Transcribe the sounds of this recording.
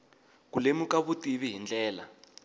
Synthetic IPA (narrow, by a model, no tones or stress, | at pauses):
kulemukaβutiβiɦind͡ɮɛːla